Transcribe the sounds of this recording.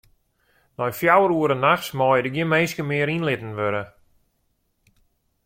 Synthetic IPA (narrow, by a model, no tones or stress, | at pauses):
nɔjfjawəɾuəɾənaxsmɔːjədəɡjɪnmeːskəmɪəɾinlɪtn̩ʋøɾə